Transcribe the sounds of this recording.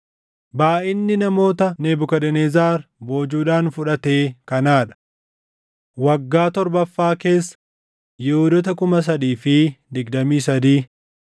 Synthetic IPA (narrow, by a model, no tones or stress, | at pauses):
baːʔɪnːɪnɐmo̞ːt̪ɐneːbʊkɐd̪ɛneːzaːɾbo̞ːd͡ʒuːᶑaːnfʊᶑɐt̪eːkɐnaːᶑɐ̥ | wɐɡːaːt̪ɔɾbɐfːaːke̞ːsːɐ̥ | jɛhʊd̪ɔt̪ɐkʊmɐs̬ɐd̪iːfɪd̪ɪɡd̪ɐmiːsɐd̪iː